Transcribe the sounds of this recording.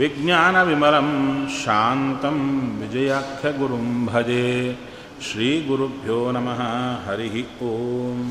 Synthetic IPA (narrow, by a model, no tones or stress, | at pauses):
ʋiɡnjaːnɐʋimɐɾɐmʃaːnt̪ɐmʋid͡ʒɐjakʰjɐɡuɾumbʱɐd͡ʒeː | ʃɾiːɡuɾubʱjoːnɐmɐɦɐɦɐɾiɦitoːm